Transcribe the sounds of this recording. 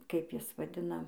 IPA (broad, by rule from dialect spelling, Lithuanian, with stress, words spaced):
ˈkɐɪp ˈjɪs ʋɐˈdʲɪnɐ